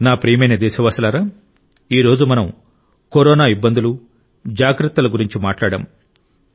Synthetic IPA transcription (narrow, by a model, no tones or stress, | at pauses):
naːpɾiːjmɐjnɐd̪ɛːsɐʋaːsɐlaːɾaː | iːɾo̞ːd͡ʒumɐnɐm | koɾɔːnaːibːɐnd̪ulu | d͡ʒaːɡɾɐt̪ːɐlɐɡuɾiɲt͡ʃimaːʈlaːɽɐ̰m